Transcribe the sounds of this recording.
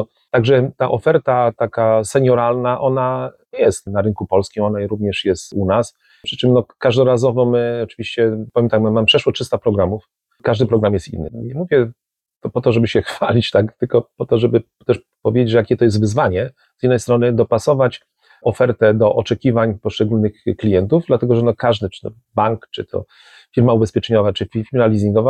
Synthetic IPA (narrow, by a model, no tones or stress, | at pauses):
ɔ | t̪aɡʐɛt̪aʔɔfɛɾt̪at̪akasɛɲɔɾalnaʔɔna | jɛst̪naɾɘnkupɔlskʲimɔnaɾuvɲɛʂjɛst̪unas | pʂɘt͡ʂɘmnɔkaʐd̪ɔɾazɔvɔmɘɔt͡ʂɘvʲiɕt͡ɕɛpavʲjɛmt̪akmamampʂɛʂwɔt͡ʂʂɘst̪apɾɔɡɾamuf | kaʐd̪ɘpɾɔɡɾamjɛst̪ḭnːɘ̰ɲɛmuvʲjɛ | t̪ɔpɔt̪ɔʐɛbɘɕɛxfalʲit͡ɕt̪akt̪ɘlkɔpɔt̪ɔʐɛbɘ | t̪ɛʂ | pɔvʲjed͡ʑed͡ʑʐɛjakʲɛt̪ɔjɛst̪vɘzvaɲɛ | z̥jid̪ːɛjst̪ɾɔnɘd̪ɔpasɔvat͡ɕ | ɔfɛɾt̪ɛd̪ɔʔɔt͡ʂɛkʲivaɲpɔʂt͡ʂɛɡulnɘxklʲijɛnt̪uvd̪lat̪ɛɡɔʐɛnɔkaʐd̪ɘt͡ʂɘ̥t̪ɔ | baŋkt͡ʂɘt̪ʰɔ̰ | fʲiɾmaubɛspʲjɛt͡ʂɛɲɔvat͡ʂɘfʲifʲiɾmalʲizʲĩŋɡɔva